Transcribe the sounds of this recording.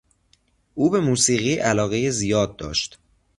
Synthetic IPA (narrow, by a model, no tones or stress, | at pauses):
ʔuːbe̞muːsiːɣiːʔælɒːɣejezijɒːd̪̚ːɒ̰ːʃt̪